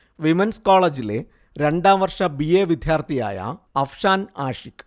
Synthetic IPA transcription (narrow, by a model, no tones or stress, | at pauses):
ʋimenskaːɭɐd͡ʑilḛ | ɾeɳɖaːʋɐrʂɐbieːʋid̪ʱjaːɾt̪ʰija̰ːjɐ̰ɐfʂaːnaːʂik